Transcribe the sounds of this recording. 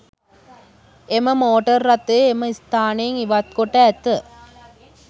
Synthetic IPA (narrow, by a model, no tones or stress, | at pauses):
emɐmoːʈɐɾːɐt̪ːɯemɐist̪aːneŋiʋat̪̚koʈːɐːt̪ːɐ